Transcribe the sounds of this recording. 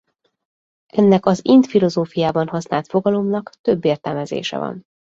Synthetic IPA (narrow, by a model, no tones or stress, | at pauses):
ʔɛnːɛkɒzint̪filo̞zoːfijaːbɒnɦɒsnaːlt̪fo̞ɡɒlo̞mnɒkt̪ø̞bːeːrt̪ɛlmɛzḛːʃɛ̰vɒ̰n